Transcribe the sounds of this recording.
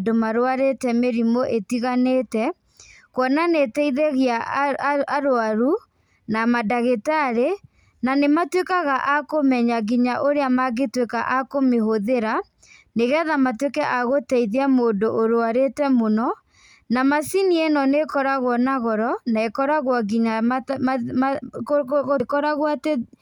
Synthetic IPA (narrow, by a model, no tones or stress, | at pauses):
domaɾwaɾetɛmeɾimoʔetiɣanetɛ | kwɔnanetɛiðɛɣea | aɾoaɾu | namadaɣetaɾe | nanematwekaɣaʔakomɛɲaɣiɲaʔoɾeamaɡetweka̰ʔakomeɦoðeɾa | neɣɛðamatwekɛʔaɣotɛiðeamoːndoʔoɾoaɾetɛmonɔ | namasinienɔnekɔɾaɣwɔnaɣɔɾɔnaekɔɾaɣwaɡiɲa | ɣokɔɾaɣwate